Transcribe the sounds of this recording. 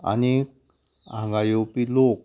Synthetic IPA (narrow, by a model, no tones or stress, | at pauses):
a̰ni | a̰ŋɡajopilok̚